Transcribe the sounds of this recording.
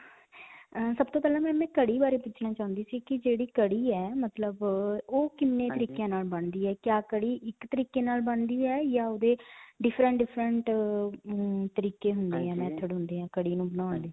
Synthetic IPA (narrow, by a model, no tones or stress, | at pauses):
əsəbt̪oːpɛːlãːmɛ̃ːmɛ̃ːkəɽiːbaːɾeːpʊt͡ʃʰnãːt͡ʃaːʊ̃nd̪iːsiːkɪd͡ʒeːɽiːkəɽiːɛːmət̪ləboːkɪmːeːt̪əɾiːkjãːnaːlbəɳd̪iːɛːkjaːkəɽiːʔɪkt̪əɾiːkeːnaːlbəɳd̪iːɛːjaːoːd̪eːɖɪpʰɾə̃ɳʈɖɪpʰɾəɳʈ | t̪əɾiːkeːɦʊnd̪eːɛːmɛ̃ːt̪ʰəɽɦʊ̃nd̪eːɦãːkəɽiːnũːbənaːnd̪eː